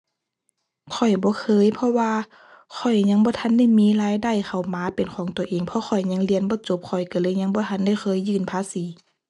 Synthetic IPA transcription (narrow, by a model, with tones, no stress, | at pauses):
kʰɔ˨˩jbɔː˧˦xʰɤː˧˥˨jpʰɔ˧waː˧ | kʰɔ˨˩jɲa˧˥ŋbɔː˧˦t̪ʰa˧˥˨nda˧˥˨jmiː˧˥˨laː˧˥jda˧˥˩jxʰa˧˩wmaː˧˦pe˨˩nkʰɔː˨˦ŋt̪u˨˩ɐʔeː˨˩ŋpʰɔ˧˥˦xɔ˨˩jɲa˧˥˨ŋli˧˥ənbɔː˧˦t͡ɕo˧˦p̚kʰɔ˨˩jka˧˩lɤː˧˥˨jɲa˧˥ŋbɔː˧˦t̪ʰa˧˥˨nda˧˩˨jxʰɤː˧˥˨jːɯː˧˩˨npʰaː˧˥siː˨˦